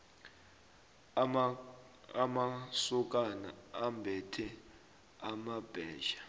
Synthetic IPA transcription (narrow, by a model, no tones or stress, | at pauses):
amasuk̬ʼana̰ambʱɛtʰɛ | amab̥ʱɛːʒḁ